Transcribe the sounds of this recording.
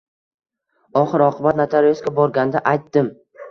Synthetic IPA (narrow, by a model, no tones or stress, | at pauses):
ɒχɨɾɒqʰɨbat̪nat̪ʰalijoskʲabɒɾɡʲand̪aʔajt̪ːɪm